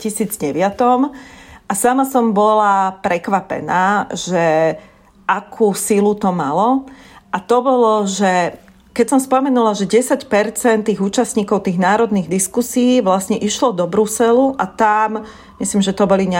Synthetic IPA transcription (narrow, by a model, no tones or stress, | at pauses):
cisiːd͡zɟɛʋɪat̪ɔmʔasamasɔmbɔlapɾɛkʋapɛ̰naːʒ̥ɛ | ʔakʰuːsilut̪ɔmalɔʔat̪ɔbɔlɔʒɛ | kɛcsɔmspɔmɛnulaʒɛɟɛsacpɛɾt͡sɛnt̪ːiːɣuːt͡ʃasɲiːkɔʊt̪iːɣnaːɾɔd̪niːɣd̪iskusiiːʋlasɲɛʔiʃlɔd̪ɔbɾusɛluʔat̪am | mislimʒɛt̪ɔbɔliɲ